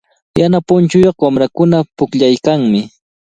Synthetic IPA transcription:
janapʊnt͡ʃʊjoχwamɾakʊnapʊkʎajkaŋmɪ

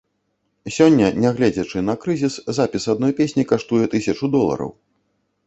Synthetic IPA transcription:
sʲɔnʲːɐnʲɛɣlʲɛd͡zʲɐt͡ʂɨnɐkɾɨzʲiszapʲisad̪nɔjpʲesʲnʲikaʂt̪ujɛt̪ɨsʲɐt͡ʂud̪ɔlˠɐ̰ɾɐ̰w

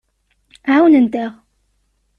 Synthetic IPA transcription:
ʕawnənt̪aʁ

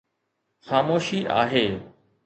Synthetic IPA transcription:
xaːmoːʃiʔa̰ːɦeː

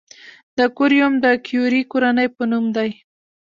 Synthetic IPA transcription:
d̪əkʊɾjʊmd̪əkʰjuɾikoɾanəjpənumd̪aj

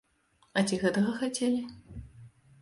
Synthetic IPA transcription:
at͡sʲiɣɛt̪ɐɣɐxat͡sʲelʲi

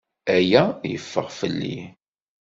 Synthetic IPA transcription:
æjæjə̰fːə̰ʁfəlːi

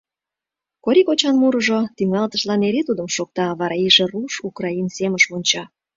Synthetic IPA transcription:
koɾikot͡ɕɑnmuɾəʒot̪yŋɑlt̪əʃlɑneɾet̪ud̪əmʃok̚t̪ɑβɑɾɑiʒeruʃukrɑinseməʃmunʲt͡ɕɑ

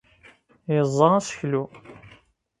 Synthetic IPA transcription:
jəzˤːɑæsə̥çlu

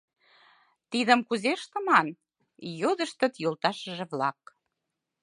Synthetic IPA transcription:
t̪id̪ə̆mkuzeʃt̪ə̆mɑn | jod̪ə̆ʃt̪ə̆t̪jolˠt̪ɑʃəʒĕβlɑk̚

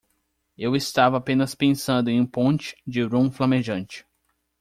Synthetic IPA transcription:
ewɪst̪avɐapẽnɐspẽsɐ̃nd̪ʊẽj̃ũpõnt͡ʃɪ̥d͡ʒɪɾũflɐmeʒɐ̃nt͡ʃɪ̥

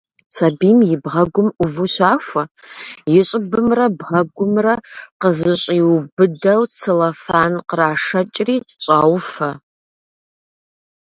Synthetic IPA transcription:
t͡sʰɐbiːmjɪbʁɐɡʷʊmʊvɨɕaːxʷɐjɪɕʼɪbɨmrɐbʁɐɡʷʊmrɐqəzɨɕʼiːwbɨdɐwt͡sʰɨlɐfaːnqəraːʂɐt͡ʃʼriːɕʼaːwfɐ

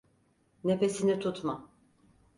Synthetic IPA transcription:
nefe̞sinit̪ʰut̪ma

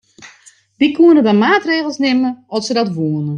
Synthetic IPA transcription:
ʋikʰuənədamaːtreːɣlˠsnɪməɔtsədɔtʋuənə

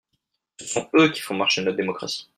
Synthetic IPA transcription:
sə̥sɔ̃økʲi̥fɔ̃maʁʃenɔt̪̚d̪emɔkχa̰si̥

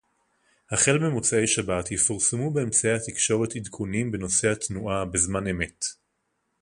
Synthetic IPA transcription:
haχe̞lmemut͡sae̞jʃabatjefuʁsamube̞ːmt͡saehat̪ikʃo̞ʁe̞tidkʰunimbe̞no̞se̞hatnuʔabezmane̞me̞t

